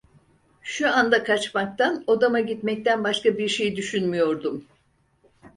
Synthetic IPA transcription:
ʃuand̪akʰat͡ʃmak̚t̪ʰanod̪amaɟit̪mɛc̚t̪ænbaʃkabiɾʃe̞jid̪yʃynmyjo̞ɾd̪um

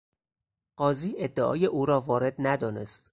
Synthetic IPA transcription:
ɢ̥ɒːziːʔe̞d̪ːeʔɒ̰ːje̞ʔuːɾɒːvɒːɾe̞d̪næd̪ɒːnḛst̪

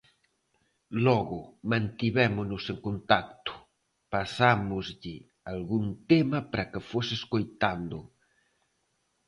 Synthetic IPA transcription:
lɔɣʊmãnt̪iβɛmʊnʊseŋkont̪ak̚t̪ʊ̥ | pasamʊzʎɪ | alɣunt̪emɐpɾakefosɪeskojt̪and̪ʊ

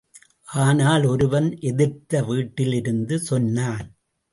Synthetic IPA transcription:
ʔaːnaːlɔɾɯʋɐnʔɛðɪɾt̪ɐʋiːʈːɪlɪɾɯnd̪ɯsɔnːaːn

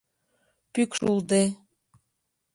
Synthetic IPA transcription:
pykʃuld̪e

